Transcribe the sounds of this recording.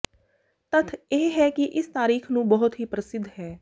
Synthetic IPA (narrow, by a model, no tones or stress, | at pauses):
t̪ət̪ʰeːɦɛːkiʔɪst̪aːɾiːkʰnũːbəɦʊt̪ɦiːpɾəsɪd̪ʱːɦɛː